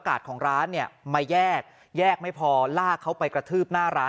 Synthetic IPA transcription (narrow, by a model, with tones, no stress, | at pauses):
ka̰ː˨˩t̪̚kʰɔː˩˦ŋɾaː˦˥nːi˥˩ɐma˧jɛː˥˩k̚ | jɛː˥˩k̚ma˥˩jpʰɔː˧laː˥˩kʰa˦˥wpa˧jkɾa˧t̪ʰɯː˥˩p̚naː˥˩ɾaː˦˥